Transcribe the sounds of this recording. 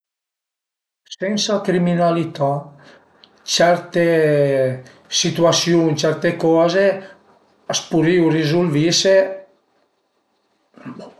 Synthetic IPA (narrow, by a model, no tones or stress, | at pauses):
sɛnsakɾiminalit̪a | t͡ʃɛɾt̪e | sit̪uasjuŋt͡ʃɛɾt̪ekɔze | aspuɾiwrizulvise